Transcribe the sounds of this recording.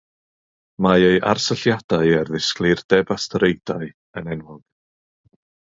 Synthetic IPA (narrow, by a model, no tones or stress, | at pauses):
maejʔa̰rsəɬjad̥aɨɛrðɪsklˠɨrd̥ɛbastʰɾejdaɨ | ənɛnwʊɡ̥